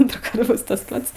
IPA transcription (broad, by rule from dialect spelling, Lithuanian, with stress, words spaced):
ˈɐntruːˌkɐrt ˈbʊs tɐs ˈpɐts